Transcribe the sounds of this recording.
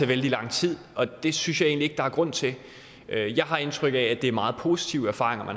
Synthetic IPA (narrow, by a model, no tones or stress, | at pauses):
eʋeld̥ilɑ̈ŋ̰t͡sʰið̞̰ˠɒ̽d̥e̝synsɕjɑ̈e̝̰nlie̝ɡ̥əd̥ɑ̈æɐɡ̥ʁɔ̽n̰t͡sʰe̝ | øjɑ̈ɪɦɑ̈e̝nt͡sʰʁœɡ̥əææd̥e̝æɐmɑ̈ːð̞̩ˠpʰo̝si̥t͡sʰiʊæɐfɑ̰̈ːʁeŋɐmæn